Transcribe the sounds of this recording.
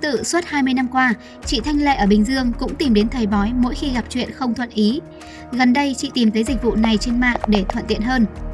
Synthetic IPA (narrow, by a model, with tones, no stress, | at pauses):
t̪ɨ̰˧˨swə˦˥t̚haː˧jmɨ˧əjna˧mkwaː˧ | t͡ɕḭ˧˨t̪ʰa˧jŋ̟lḛ˧˨ʔəː˧˩ɓï˨˩ŋ̟zɨ˧əŋkʊ̰˧˥ŋ͡mt̪i˨˩mɗe˨˦nt̪ʰə˨˩jɓɔ˨˦jmo̰˧˥jxi˧ɣa˨˩p̚t͡ɕwḭ˧˨ənxə˧wŋ͡mt̪ʰwə̰˧˨nʔi˨˦ | ɣə˨˩nɗə˧jt͡ɕḭ˧˨t̪i˨˩mt̪əː˨˦jzi̟˨˩vṵ˧˨na˨˩jt͡ɕe˧nma̰ː˧˨nɗe˧˩t̪ʰwə̰˧˨nt̪i˧˨ənɦəː˧n